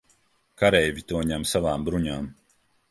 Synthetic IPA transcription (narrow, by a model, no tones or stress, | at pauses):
kaɾɛjvʲit̪uɔɲamsavaːmbɾuɲaːm